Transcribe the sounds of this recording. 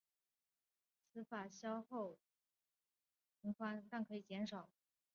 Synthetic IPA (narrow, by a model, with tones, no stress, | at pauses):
t͡sʰɹ̩˧˥fa˨˩ɕjɑ˥ʊxo˥˩ʊ | pʰi˧˥ŋfwa˥nt̪a˥˩ŋkʰɤ˧˥i˨˩t͡ɕjɛ˧˥nʂɑ˨˩˦ʊ